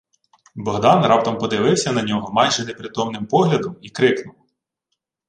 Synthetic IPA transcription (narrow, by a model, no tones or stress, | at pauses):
bɔɦd̪ɑnrɑp̚t̪ɐmpɔd̪ɪʋɪwsʲɐnɐnʲɔɦɔmɑjʒɛnepɾʲɪt̪ɔmnɪmpɔɦlʲɐd̪ɔmikɾɪknʊw